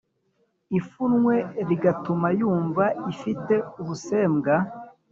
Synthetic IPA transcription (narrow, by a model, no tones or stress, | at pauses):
ifunŋwe̞ɾiɡatumajuːɱvaifite̞uβuse̞ːmɡa